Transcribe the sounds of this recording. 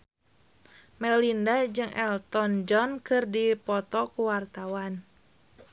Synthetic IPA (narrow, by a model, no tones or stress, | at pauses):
mɛlindad͡ʒɨŋʔɛlt̪ɔnd͡ʒɔnkɨrdipɔt̪ɔkuwart̪awan